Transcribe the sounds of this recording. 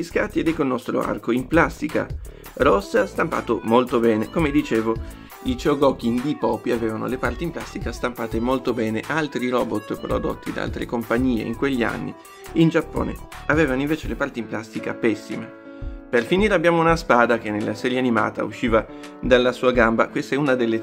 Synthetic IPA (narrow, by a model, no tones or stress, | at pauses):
iskat̪ːiɛd̪ɛkːolnɔst̪ɾo̰a̰rkoimplast̪ika̰ | rɔsːast̪ampa̰ːt̪omolt̪obɛːnekomed̪it͡ʃeːvo | it͡ʃeoɡɔːk̟ind̪ipɔːpiavɛːvano̰lepart̪implast̪ikast̪ampaːt̪emolt̪obɛːneʔalt̪ɾiɾɔːbot̪ːpɾo̰d̪o̰t̪ːid̪aa̰lt̪ɾḛkompaɲːiːḛḭŋkweʎːia̰nːḭ | ind͡ʒapːo̰ːnḛaveːvanoĩɱveːt͡ʃelepart̪implast̪ikapɛsːime | perfiniːɾeabːjaːmounaspaːd̪ak̟enːelːasɛːɾjeanima̰ːt̪a̰ṵʃːiːva | d̪alːasuːaɡamba̰kwest̪aɛunad̪elːe